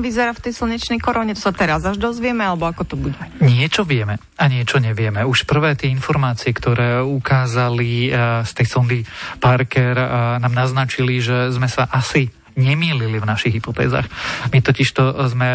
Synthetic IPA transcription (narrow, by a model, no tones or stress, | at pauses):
ʋizɛɾaft̪ɛjsl̩ˠɲɛt͡ʃnɛjkɔɾɔɲɛt̪ɔ̥sat̪ɛɾazaʒd̪ɔzʋɪɛmɛalɛbɔakɔt̪ɔbuɟɛɲɪɛt͡ʃɔʋɪɛmɛ | aɲɪɛt͡ʃɔɲɛʋɪɛmɛuʃpr̩ʋɛːt̪ɪɛinfɔɾmaːt͡siɛkt̪ɔɾɛːukaːzalist̪ɛjsɔnd̪ipaɾkɛɾnaːmnaznat͡ʃiliʒɛzmɛsaʔasi | ɲɛmiːlilivnaʃiɣɦipɔt̪ɛ̰ːza̰ːxmit̪ɔciʃt̪ɔzmɛ